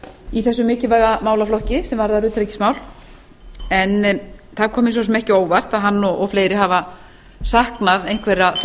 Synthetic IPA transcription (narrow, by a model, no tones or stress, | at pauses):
iθɛsːʏmɪːcɪvaɣamaːwlaflɔhcɪsɛmvaɾðaɾʏːt̪ʰɾecɪ̥smaːwl | ɛnθaɾkʰɔːmɪnsɔsɔmɛhcɪoːwvar̥t̪aðɦanːɔɣɔfleːjɾɪɦava | sahknaðejŋ̥kʰvɛɾa